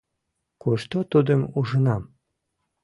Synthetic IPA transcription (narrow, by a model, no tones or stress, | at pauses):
kuʃt̪ot̪ud̪əmuʒənɑm